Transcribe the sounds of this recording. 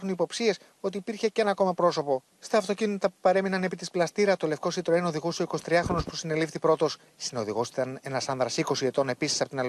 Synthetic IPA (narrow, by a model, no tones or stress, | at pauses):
xunipo̞psie̞s | o̞t̪̬iːpiɾçeceenɐko̞mɐpɾo̞so̞po̞ | st̪ɐːft̪o̞cinit̪t̪ɐpu̥pɐɾe̞minɐne̞pit̪isplɐst̪iɾɐt̪o̞lefko̞sit̪ɾenoðiɣusio̞ikoi̥t̪ɾiɐxɾo̞nospu̥sine̞lifθipɾo̞t̪o̞s | sino̞ðiɣosit̪ɐne̞nɐsɐnðɾɐsiko̞siet̪o̞ne̞pisi̥sɐpot̪inɐl